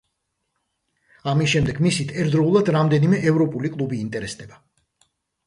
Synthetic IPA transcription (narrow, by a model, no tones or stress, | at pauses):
amisʃɛmd̪ɛɡmisit̪ʰɛɾd̪ɾɔulˠad̪ɾamd̪ɛnimɛʔɛvɾɔpʼulikʼlˠubiːnt̪ʼɛɾɛsd̪ɛba